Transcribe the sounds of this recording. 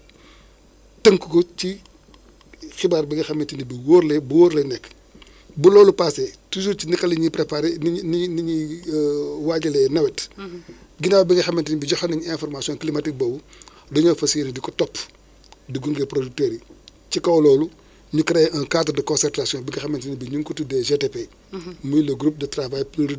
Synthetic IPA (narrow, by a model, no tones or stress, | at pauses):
tɐŋkukɔt͡ʃi | xibaːɾbiŋɡɐxɐmːintinibiwoːɾlɛbuwɔːɾlɛnɛkː | bulɔːlupaːsɛtusuɾt͡ʃinikɐliɲipɾɛpaɾenniɲi | waːɟɐlɛnɐwɛt | ɡinawbiŋɡɐxɐmːɛntiɲbiɟɔxɐniɲɛnfɔrmasijɔ̃nklimatik̚bɔbu | dɔɲɔfɐsinidikɔtɔpː | diɡuŋɡɛpɾodik̚tɛɾit͡ʃikɐwlɔːlu | ɲukɐɾɛɐkaːtɐdɐkɔnsɛrtasjɔ̃nbiɡɐxɐmɐntinibiɲuŋkutudɛʒɛtɛpe | mujlɐɡɾup̚dɐtɾavajpiɾid